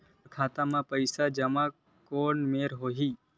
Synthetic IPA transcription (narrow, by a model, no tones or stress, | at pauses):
kʰaːt̪amãpəjsad͡ʒəmã | koɳmeɾɦoɦi